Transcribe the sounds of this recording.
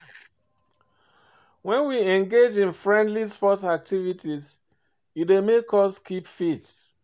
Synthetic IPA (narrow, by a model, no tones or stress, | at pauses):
wɛ̃nwiɛ̃ŋɡed͡ʒĩnfɹɛ̃ndlispɔtak̚tivitiz | idemekɔskʰipfits